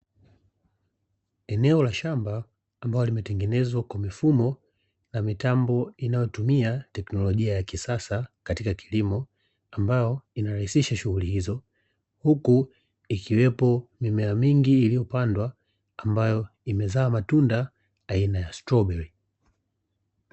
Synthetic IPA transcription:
ɛnɛɔlaʃambaː | mbajɔlimɛtɛŋɡɛnɛzwakwamifumɔ | namitambɔinajɔtumiatɛknɔlɔʄiajakisasakatikakʰilimɔ | ambajɔinaɾahisiʃaʃuhulihizɔ | huku | ikiwɛpɔmimɛamiŋɡiːlijɔpandwaː | mbajɔ | imɛzaːmatunda | ainajastɾɔbɛɹi

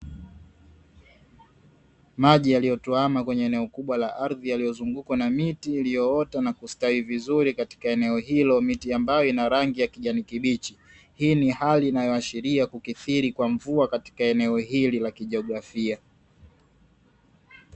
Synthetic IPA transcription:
maʄijalijɔtuamakwɛɲɛɛnɛɔkuɓwalaʔaɾðijalijɔzuŋɡukwanamitiːlijɔɔtanakustawivizuɾikati̥kaɛnɛɔɦilɔmitiambajɔinaɾaŋɡijakiʄanikiɓit͡ʃi | hiːnihaliːnajɔaʃiɾiakukiθiɾikwaɱvuakati̥kaɛnɛɔɦililakiʄɛɔɡɾafia

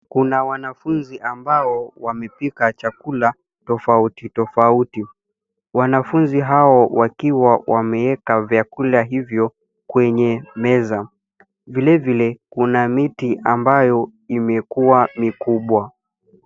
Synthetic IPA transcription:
kunawanafunziʔambaɔwamɛpikat͡ʃakula | tɔfautitɔfauti | wanafunziɦaɔwakiwawʔamɛɛkavjakulaɦivjɔ | kwɛɲɛmɛza | vilɛvilɛkunamitiʔambajɔimɛkuwamikuɓwa

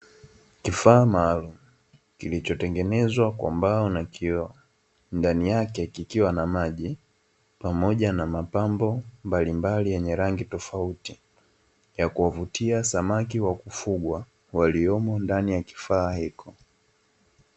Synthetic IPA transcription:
kifaːmaːlum̩ | kilit͡ʃɔtɛŋɡɛnɛzwakwa̰mbaɔnaki | ndanijakɛkikiwanamaʄi | pamɔʄanamapambɔmbalimbalijɛɲɛɾaŋɡitɔfauti | jakuavutʰiasamakiwakufuɠwa | waliɔmɔndanijaki̥faːhikʰɔ

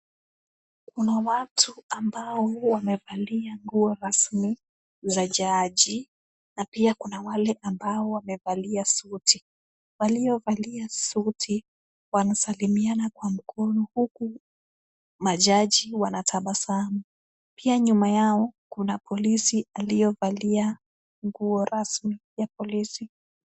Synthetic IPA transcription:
kunawatʰuambaɔwamɛvaliaŋɡuɔɾasmi | zaʄaʄi | napiakunawalɛʔambaɔwamɛvaliasuti | waliɔvaliasutʰi | wanasalimianakwam̩kɔnɔhuku | maʄaʄiwanatʰaɓasana | piaɲumajaɔkunapʰɔlisiʔalijɔvalia | ŋɡuɔɾʔasmijapɔlisi

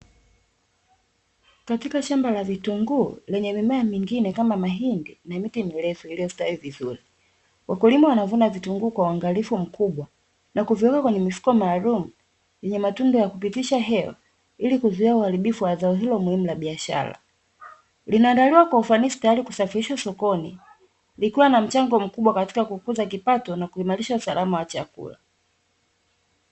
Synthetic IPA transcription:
katikaʃambalavituŋɡuːlɛɲɛmimɛamiŋɡinɛkamamaɦindinamitimilɛfɔilijɔsi̥taivizuɾi | wakulimawanavunavituŋɡuːkwauaŋɡalifum̩kʰuɓwa | nakuviwɛkakwɛɲɛmifu̥kɔmaːlumu | jɛɲɛmatundɔjakupitiʃaɦɛwa̰ | ilikuzuiauhaɾiɓifuwazaɔɦilɔmuhimulaɓiaʃa̰la̰ | linaːndaliwakwaufanisi̥tajaɾikusafiɾiʃasɔkɔni | likiwanam̩t͡ʃaŋɡɔm̩kuɓwakati̥kakukuzak̬ipatɔnakuimaliʃausalamawat͡ʃakṵla̰

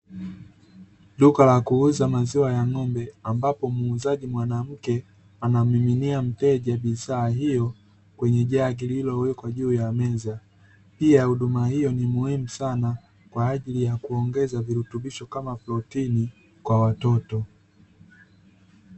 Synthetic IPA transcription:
lukalakuuzamaziwajaŋɔmbɛambapɔmuːzaʄimwanam̩kɛ | anam̩iminiam̩tɛʄaɓizaːɦijɔ | kwɛɲɛʄaɡililɔwɛkwaʄuːjamɛza | piahuɗumahijɔnimuhimusana | kwaːʄilijakuɔŋɡɛzaviɾutuɓiʃɔkamaplɔtini | kwawatɔtɔ

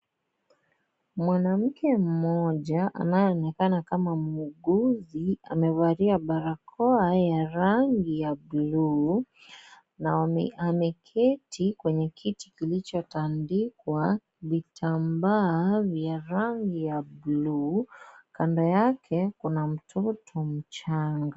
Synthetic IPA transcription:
mwanam̩kɛm̩mɔʄaʔa̰najɔːnɛkanakamamuɡuziamɛvaɾiaɓaɾakʰɔajaɾaŋɡijablu | naamɛkʰɛtʰikwɛɲɛkʰitikilit͡ʃɔtandikwa | vitʰambaːvjaɾaŋɡijabluːkandɔjakʰɛkunam̩tʰɔtʰɔm̩t͡ʃaŋɡa

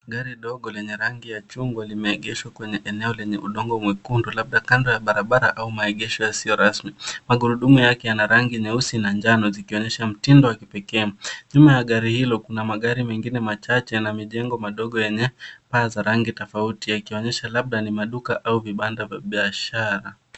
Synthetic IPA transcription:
aɡaɾiɗɔɠɔlɛɲɛɾaŋɡijat͡ʃuŋɡwalimɛɛɠɛʃwakwɛɲɛʔɛnɛɔlɛɲɛʔuɗɔŋɡɔmwɛkundulaɓ̚ɗakandɔjaɓaɾaɓaɾa̰ʔaumaɛɠɛʃɔjasiɔɾasmimaɠuɾuɗumujakɛjanaɾaŋɡiɲɛusinand͡ʒanɔzikiɔɲɛʃam̩tindɔwakipɛkɛːɲumajaɠaɾihilɔkunamaɠaɾimɛŋɡinɛmat͡ʃat͡ʃɛnamiʄɛŋɡɔmaɗɔɠɔjɛɲɛpaːzaɾaŋɡitɔfautijakiɔɲɛʃalaɓ̚ɗanimaɗukaʔauviɓandavja̰ɓiaʃaɾa

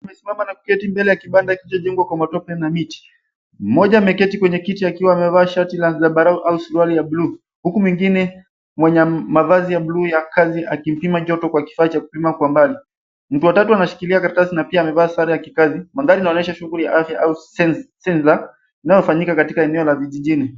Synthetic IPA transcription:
amɛsimamanaku̥kɛtimbɛlɛjakiɓandaikilit͡ʃɔʄɛŋɡwakwamatɔpɛnamiti̥ | m̩mɔʄamɛkɛtikwɛɲɛkitiakiwaːmɛvaːʃatilazaɓaɾauʔausuɾwalijaɓluː | hukumwiŋɡinɛ | mwɛɲɛmavazijaɓlujakaziʔakim̩pimad͡ʒɔtɔkwaki̥fait͡ʃaku̥pimakwambali | m̩tuwatatuanaʃi̥kiliakaɾtasinapiaːmɛvaːsaɾajakikazimaðaɾinaɔnɛʃaʃuŋɡulija̰ʔafjaʔaussɛnza | inajɔfaɲikakatikaɛnɛɔlaviʄiʄini

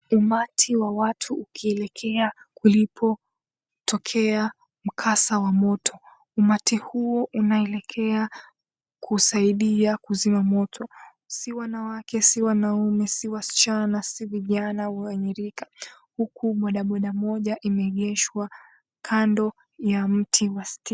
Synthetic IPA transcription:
umatʰiwawatʰuukʰiɛlɛkʰɛakulipʰɔ | tʰɔkʰɛa | m̩kʰasawamɔtʰɔ | umatihuɔʔunaɛlɛkʰɛa | kʰusaiɗiakuzimamɔtʰɔ | siwanawakɛsiwanaumɛsiwasi̥t͡ʃanasiviʄanawaaɲiɾikḁ | hukʰuɓɔɗaɓɔɗamɔʄaʔimɛɠɛʃwa | kʰandɔ | jam̩tʰiwasti

